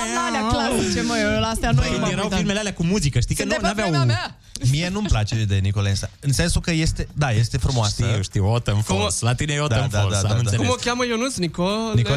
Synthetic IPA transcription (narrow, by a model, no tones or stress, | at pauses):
aleaklaɾt͡ʃemɐewewlast̪eanojjeɾawilmelaleakumuzikəʃt̪ikənanaveawũ | mienumplat͡ʃed̪enikolensaɨnsensukəjest̪ed̪ajest̪efɾumowaʃsəiuʃt̪iot̪ɐnfoslat̪ineod̪ɐfalaadaaũnaekomokʲjamɐewnũsnikonio